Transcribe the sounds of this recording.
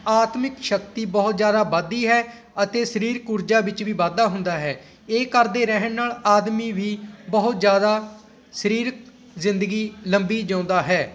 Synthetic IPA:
aːt̪mɪkʃəkt̪iːbəɦʊt̪zjaːd̪aːbaːd̪iːɦɛː | ət̪eːsəɾiːɾkʊɾd͡ʒaːbɪt͡ʃʋiːʋaːd̪aːɦʊnd̪aːɦɛː | eːkəɾd̪eːɾɛɦənnaːlaːd̪miːʋiːbəɦʊt̪zjaːd̪aː | səɾiːɾ | zɪnd̪əɡiːləmbiːd͡ʒãːʊnd̪aːɦɛː

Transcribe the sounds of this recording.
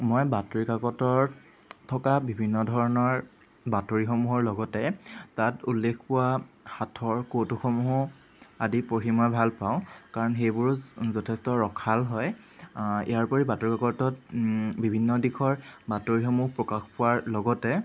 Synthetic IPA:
mɔjbatoɹikakɔtɔɹ | tʰɔkabibʱinːɔdʱɔɹɔnɔɹ | batoɹixɔmuɦɔɹlɔɡɔtɛtatulːekʰpʊwaxatʰɔɹkotuxɔmuɦʊ | adipoɹimɔjbʱalpaʊ̃kaɹɔnxejbʊɹzɔtʰɛstɔɹɔkʰalɦɔj | ḭjaɹpɔɹibatoɹikakɔtɔtbibʱinːɔdixʰɔɹbatoɹixɔmuɦpɹɔkaxpʊwaɹlɔɡɔtɛ

